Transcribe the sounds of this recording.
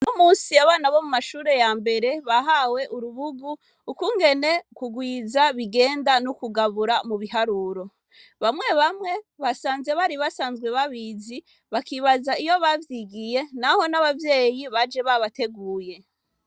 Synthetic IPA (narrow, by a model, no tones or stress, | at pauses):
numuːnsiaβaːnaβo̞mumaʃuːɾe̞jaːmbe̞ɾe̞βaɦawe̞ʔuɾuβuɡuː | kuŋɡe̞ne̞kuɡwiːzaβiɡe̞ːndanukuɡaβuɾamuβiɦaɾuːɾo̞ | βamŋe̞βamŋe̞βasaːnze̞βaɾiβasaːnzɡwe̞βaβiːzi | βakiβazaijo̞βavjiɡije̞naho̞naβavje̞ːjiβad͡ʒe̞βaβate̞ɡuːje̞